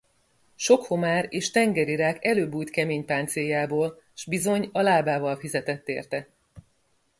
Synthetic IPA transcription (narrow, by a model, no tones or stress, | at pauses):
ʃo̞kho̞maːɾeːʃt̪ɛŋɡɛɾiɾaːkɛløːbuːjt̪kɛmeːɲpaːnt̪sejaːboːl | ʒ̥bizo̞ɲɒlaːbaːvɒlfizɛt̪ɛt̪ːḛːrt̪ɛ